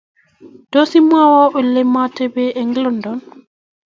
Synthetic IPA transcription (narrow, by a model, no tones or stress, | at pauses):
d̥ɔsimawɔɓɛlɛmatɛbɛʔɛŋɡlɔndɔn